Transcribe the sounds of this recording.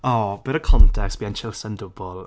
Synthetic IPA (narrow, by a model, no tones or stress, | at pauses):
ɔːb̥ɪɾəkʰɔntʰɛksb̥iant͡ʃʰɪlˠsɛndʊbɔlˠ